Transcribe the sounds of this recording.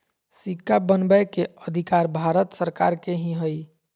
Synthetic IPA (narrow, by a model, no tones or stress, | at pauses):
sikːabənbəjkeəd̪ʱikaɾbʱaɾət̪səɾkaɾkeɦĩɦəj